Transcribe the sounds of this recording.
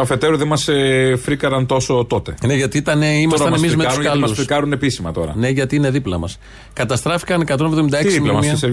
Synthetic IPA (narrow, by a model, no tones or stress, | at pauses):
ɐfe̞t̪eɾuðemɐsefɾikɐɾɐnt̪o̞so̞t̪o̞t̪e̞ne̞ʝɐt̪iit̪ɐneimɐsɐɐemizmeɐskɐlɐusikɐɾune̞pisimɐt̪o̞ɾɐ̰ne̞ʝɐt̪iine̞ðiplɐ̰mɐ̰s | kɐt̪ɐst̪ɾɐfi̥kɐne̞kɐt̪o̞nevðo̞mid̪ɐeksimlɐmɐsmɐs